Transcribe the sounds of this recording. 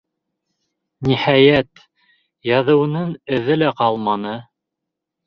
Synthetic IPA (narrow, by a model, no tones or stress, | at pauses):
nihæjæt̪ | jɑðɤ̆wɤ̆nɤŋɘ̆ðɘlæqɑlˠmɑnɤ